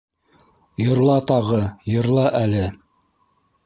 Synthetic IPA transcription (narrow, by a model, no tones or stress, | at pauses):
jŏɾlˠɑt̪ɑʁɤjŏɾlˠɑʔælɘ